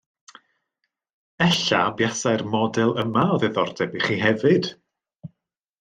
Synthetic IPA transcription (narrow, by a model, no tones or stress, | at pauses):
ɛɬabjasajrmɔdɛlˠəmaɔðeðɔrdɛbiχiɦɛvɨd̥